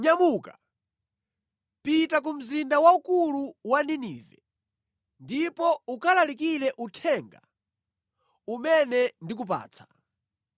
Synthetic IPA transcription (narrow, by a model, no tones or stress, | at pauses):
ɲamuka | pitak̬um̩zindawaukuluwaniniːvɛ | ndipɔukalalikilɛʔutʰɛŋɡa | umɛnɛndik̬up̬a̰ːt͡sʰḁ